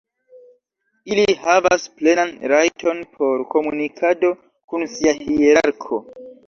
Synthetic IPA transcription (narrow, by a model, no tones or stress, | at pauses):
ilihavasple̞nanɾajtʰo̞npʰo̞ɾko̞munikʰado̞ | kunsiahieɾaɾkʰo̞